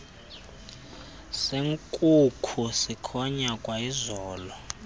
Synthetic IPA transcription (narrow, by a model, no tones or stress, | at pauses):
seŋkʼukʰusikʰɔɲakʼwaizɔːlɔ